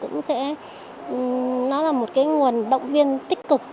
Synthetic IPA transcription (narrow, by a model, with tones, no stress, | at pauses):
kʊ̰˧˥ŋ͡msɛ̰˧˥˨ | nɔ˨˦laː˨˩mo˨˩t̚kaː˨˦jŋu˨˩ənɗə̰˧˨wŋ͡mvi˧ənt̪ï˦˥k̟̚kɨ˨˩k̚